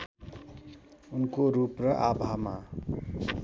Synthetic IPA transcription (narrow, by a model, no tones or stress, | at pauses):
unkoɾuprʌʔabʱama